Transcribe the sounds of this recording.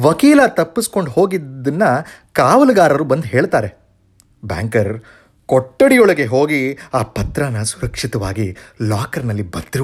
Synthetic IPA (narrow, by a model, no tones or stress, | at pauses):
ʋɐkiːlɐt̪ɐpːisko̞ɳɖho̞ːɡidd̪ːɐnːɐkaːʋɐlɐɡaːɾɐɾubɐnd̪ɦe̞ːɭt̪aːɾe̞ | ba̰ːŋkɐɾ | kɔʈːɐɽijɔɭɐɡe̞ɦo̞ːɡiaːpɐt̪ɾɐnɐsuɾɐkʂit̪ɐʋaːɡilaːkɐɾnɐlːibɐt̪ːiɾ